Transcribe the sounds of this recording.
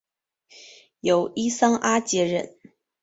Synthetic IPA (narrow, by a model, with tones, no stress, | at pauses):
jo˨˩ʊi˥sɑ˥ŋʔa˥t͡ɕjɛ˧˥ɻə̰˧˩˦n